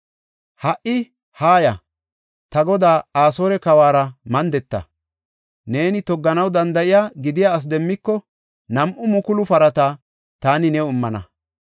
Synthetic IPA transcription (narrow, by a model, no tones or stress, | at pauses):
hɐʔɪ | haːjɐ | t̪ɐɡɔd̪aːaːsoːɾɛkɐwaːɾɐmɐnd̪ɛt̪ːɐ̰ | ne̞ːnɪt̪ɔɡːɐnɐwd̪ɐnd̪ɐʔɪjaːɡɪd̪ɪjaːs̬d̪ɛmːɪkːɔ | nɐmʔʊmʊkʊlʊpɐɾɐt̪aː | t̪aːnɪnɛʊmːɐnɐ̰